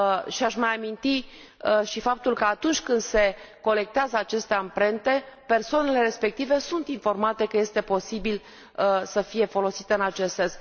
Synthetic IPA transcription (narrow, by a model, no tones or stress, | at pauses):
ʃiaʃmajamint̪i | ʃifap̚t̪ulkəat̪unt͡ʃʲkɨnd̪se̞ko̞le̞k̚t̪eazəat͡ʃe̞st̪e̞ampɾe̞nt̪e̞pe̞rsoane̞le̞ɾe̞spe̞k̚t̪ive̞sunt̪info̞rmat̪e̞kəje̞st̪e̞po̞sibil | səfije̞fo̞lo̞sit̪eɨnat͡ʃe̞st̪se̞ns